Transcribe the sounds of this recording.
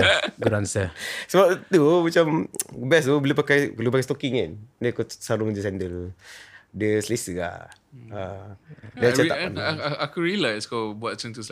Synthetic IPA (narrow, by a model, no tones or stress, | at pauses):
ɡɾansəsəbap̚t̪umat͡ʃambɛs̬ubəlipakajkalup̬akajst̪okiŋandəkusaɾʊŋd͡ʒəs̬ɛndəl | diəsəlesəa̰ə | dalt͡ʃataʔanakuɹiəlajskɔbuat̪̚t͡ʃəŋt̪us